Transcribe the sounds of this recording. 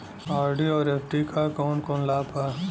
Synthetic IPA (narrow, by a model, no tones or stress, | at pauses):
aːɾɖiɔːɾefʈikʰakɔːnkɔːnlaːpaː